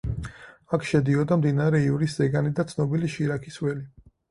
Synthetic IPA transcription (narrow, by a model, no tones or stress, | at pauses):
akʰʃɛd̪iɔd̪amd̪inaɾɛivɾiszɛɡanid̪at̪sʰnɔbiliʃiɾakʰiswɛli